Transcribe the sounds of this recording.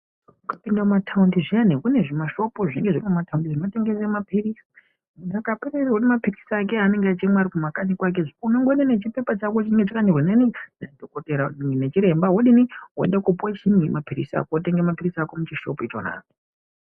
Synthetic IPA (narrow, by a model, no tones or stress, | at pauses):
ukḁpindaumatʰaundiʐianekune̞ʐimaʃo̞poʐine̞ŋɡeʐimmataundiʐimateŋɡesemapirisi | nakapererwoɗimapirisak̬e̞ane̞ŋɡeat͡ʃemwaɾikumakanikwak̬eʐiunoŋɡonenet͡ʃipe̞pat͡ʃakot͡ʃineŋɡet͡ʃakanirwenaninadokoteɾanet͡ʃiɾe̞mbawoɗiniwoḛndakupwat͡ʃinimapirḭsia̰kooteŋɡemapirisakomut͡ʃiʃopit͡ʃo̰na̰ːi